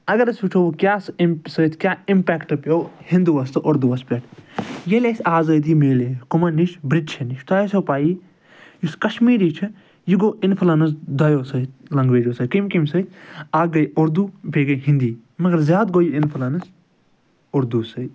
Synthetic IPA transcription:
ɐɡɐɾɐsut͡ʃʰoːkjaːsmsət̪ʰkjaːɪmpɛːkʈɨpoːhind̪uʋɐst̪ɨʔoɾd̪uʋɐspʲeʈʰjelesʲaːzɐːd̪iːmeːlekʊmɐniʃbɾid̪t͡ʃʰɐniʃt̪ɐjsoːpaːji | juskɐʃmiːɾiːt͡ʃʰi | jiɡoːɪnfʰlɐnɐs̬d̪ɐjoːsɐt̪lɐŋɡʋeːd͡ʒoːsɐkimkimsɐt̪ʰʲaːɡɐjʊɾd̪uːpʲeːɡɐjɦĩnd̪iː | mɐɡɐɾzʲjaːd̪̚ɡoːjiɪnpʰlɐnɐs | ʊɾd̪uːsɐ

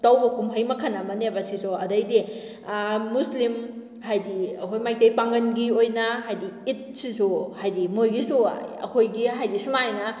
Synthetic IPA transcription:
tawbɐkumɦɐjmɐkʰɐnːɐmɐnebɐsizoɐdɐjdiː | uslim | hajdiɐkʰojmajtejpaŋɡɐnɡiojnɐɦajdiit̚sisuhajdimojɡisuɐ̰kʰojɡiɦajdisumajnɐ

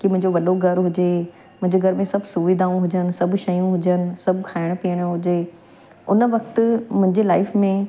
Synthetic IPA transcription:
kimʊ̃ɦɪ̃ɲd͡ʑoʋɐɗoɡʱɐɾɦʊd͡ʑeː | mʊ̃ɦɪ̃ɲd͡ʑeɡʱɐɾmẽsɐbʱsʊʋid̪ʱaːũɦʊd͡ʑənɪ̆sɐbʱʃɐjũɦʊd͡ʑənɪ̆sɐbʱkʰaːɪɽ̃piːəɽ̃ə̆ɦʊd͡ʑeː | ʊnəʋɐkt̪mʊ̃ɦɪ̃ɲd͡ʑelaːɪfmẽ

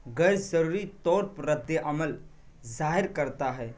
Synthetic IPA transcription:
ɡəsəɾuɾit̪ɔːɾpɾəd̪jəʔɐməl | zaːɦɪɾkəɾt̪aɦɛː

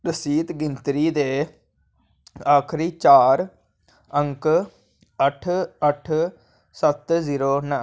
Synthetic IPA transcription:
ɾəsiːt̪ɡɪnt̪ɾiːd̪eː | aːkʰɾiːt͡ʃaːɾ | ə̃ŋk | əʈʰəʈʰ | sət̪ziːɾoːnə

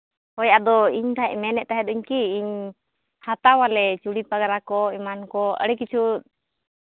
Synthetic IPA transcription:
hɔjad̪ɔiɲt̪aɛʔ̚mɛnɛʔt̪aɦɛd̪uɲkiːɲ | hat̪awalɛt͡ʃuɽipaɡaɾakɔimankɔə̰ɽɛk̬it͡ʃʰut̪̚

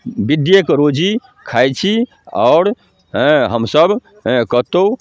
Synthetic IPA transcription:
bid̪jəkɾod͡ʒi | kʰajt͡ʃʰi | a̰ʊɾ | ɦəmsəb | kəɦt̪ou

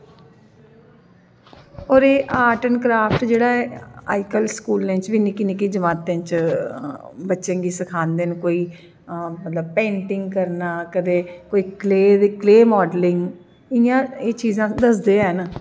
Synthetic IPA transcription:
ɔːɾeːʔaːʈənkɾaːfʰʈd͡ʒeːɽaːɛːaːikəlskuːlnẽːt͡ʃʋinɪkinekid͡ʒəmaːt̪ẽːt͡ʃ | bətːʃẽːɡiːsəkʰaːnd̪eːnkoːiː | mət̪ləb̚pẽːɳʈɪŋɡkəɾnaːkəd̪eːkoːiːkleːd̪ikleːmɔːɖlɪŋɡ | ɪjãːeːt͡ʃiːzãːd̪əsd̪eːɛːnː

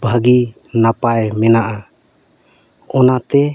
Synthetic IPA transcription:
bʱaɡi | napajmɛnaʔa | ɔnat̪ɛ

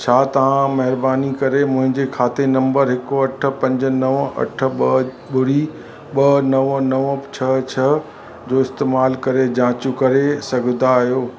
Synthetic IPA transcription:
t͡ɕʰaːt̪ɐʋ̤ãmɐɦɪɾbaːnikɐɾemʊ̃ɦɪ̃ɲd͡ʑekʰaːt̪enɐ̃mbəɾɦɪkoɐʈʰə̆pɐ̃ɲd͡ʑə̆nɐʋɐ̰ʈʰə̆ɓɐ | ɓʊɽi | ɓɐnɐʋnɐʋət͡ɕʰɐt͡ɕʰɐ | d͡ʑoːɪst̪eːmaːlkɐɾed͡ʑãːt͡ɕukɐɾesɐɡʱnd̪aːɦijoː

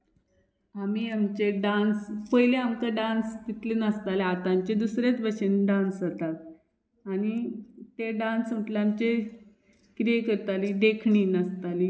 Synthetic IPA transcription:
amiamt͡ɕeɖãnspəjleamkəɖãnst̪it̪lenəst̪aleat̪amt͡ɕed̪usɾet͡sbʱəɕənɖãnsɦət̪at̪̚ | añit̪eɖãnsm̤əʈleamt͡ɕe | kɾijekəɾt̪aliɖekʰɳiːnəst̪ali

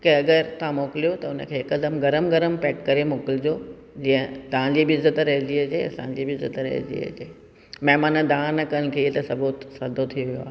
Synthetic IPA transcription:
kẽɐɡəɾt̪ɐãmoːkɪlijot̪ɐʊnəkʰeːɪkɐd̪əmɡɐɾəmɡɐɾəmpɛːʈkɐɾemoːkɪlɪd͡ʑoː | d͡ʑĩːə̃t̪ɐãd͡ʑiːbɪɪzət̪ɾɐɦd͡ʑiɐd͡ʑeːɐ̰sã̰d͡ʑiːbɪɪzət̪ɾɐ̰ɦḛd͡ʑḭɐ̰d͡ʑeː | mɐɦmaːnəd̪ãːnɐkɐəɽ̃̆kʰeiet̪ɐsɐbuːt̪sad̪ʱot̪ʰijʋijoa̰ː

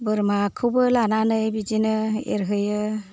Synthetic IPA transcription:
bɯɾmakʰuwbɯlananɯjbid͡ʒinɯḛɾɦɯjɯ

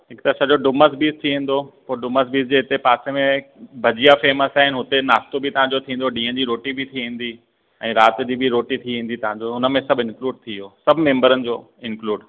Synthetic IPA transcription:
ɦɪkt̪ɐsãd͡ʑoɖʊməs̬biːzt̪ʰiʋĩːn̆d̪opoːɾɖʊməs̬biːzd͡ʑeːɦɪt̪epaːsemẽbʱɐd͡ʑijafeːməsaːɦɪnɪɦʊt̪enaːst̪obʱɪt̪ɐʋ̤ãːɲd͡ʑot̪ʰĩːn̆d̪oɖĩːə̃d͡ʑiːɾoːʈibʱit̪ʰiʋĩːn̆d̪i | ɛ̃ːɾaːt̪d͡ʑiːbʱiɾoːʈit̪ʰiʋẽːnd̪it̪ɐʋ̤ãɲd͡ʑoʊnə̆mẽsɐbʱɪnkluːɖ̚t̪ʰioːsɐbʱmẽːmbəɾənɪ̆d͡ʑoː | ɪ̃nkluːɖ

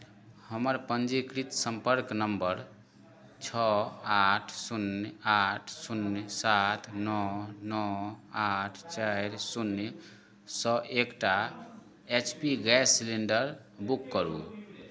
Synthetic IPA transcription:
həməɾpənd͡ʒikɾit̪sə̃mpəɾknəmbəɾ | t͡ʃʰɔaʈʰsunaʈʰsunsat̪ʰnɔnɔaʈʰt͡ʃaɪɾsunː | sɔʔekʈa | et͡ʃʰpiɡɛsliɳɖəɾ | bukːəɾṵ

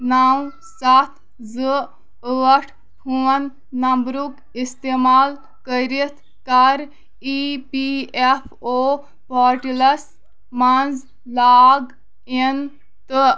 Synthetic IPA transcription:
naw | sɐt̪ʰ | zɨ | əːʈʰ | pʰuːənː | ɐmbɾuk | ist̪eːmaːl | kəɾit̪ʰ | kɐɾ | ipiefʰoː | pɔːɾʈilɐs | mɐnz | laːɡ | in | t̪ɨ

